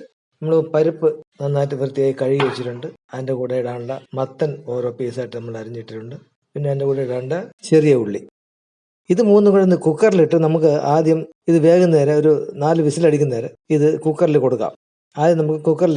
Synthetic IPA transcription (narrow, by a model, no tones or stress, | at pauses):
nɐmːɐɭoɾpɐɾupːɨnɐnːaːt̬ːɨʋɨrɨt̪ːijaːjikɐɻijiʋet͡ɕːiʈːuɳɖɨɐðindekuːɽejuɽaːɳuɭːɐmɐt̪ːɐno̞ːɾo̞ːpiːsaːjiʈːɨnɐmːɐɭɐɾiɲːiʈːiʈːuɳɖɨ | pinːe̞ɐðindekuːɽejɽaːɳɳɖɨt͡ɕerijɐuɭːi | iðɨmuːnːukɐɭɐnːɨkukːɐriliʈːɨnɐmuk̬ːɨaːd̪jɐm | iðɨʋe̞ːɣɐnːeːɾeo̞ɾunaːlɨʋisilɐɽik̬ʲːunɐeːɾeiðɨkukːɐrilko̞ɽukːa̰ːm | aːd̪jɐmnɐmukːɨkukːɐrl